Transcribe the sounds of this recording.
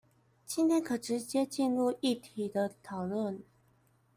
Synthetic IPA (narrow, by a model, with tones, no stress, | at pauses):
t͡ɕʰi˥nt̪ʰjɛ˥nkʰɤ˨˩ʈ͡ʂɻ̩˧˥t͡ɕjɛ˥t͡ɕi˥˧nɻu˥˧i˥˩t̪ʰi˨˩d̪ə˦t̪ʰɑ˨˩ʊlwə˥˩n